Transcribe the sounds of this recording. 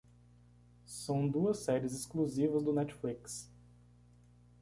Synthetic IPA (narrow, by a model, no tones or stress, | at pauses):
sɐ̃w̃d̪uɐsːɛɾɪzɪskluzivɐzd̪ʊnɛt͡ʃfliks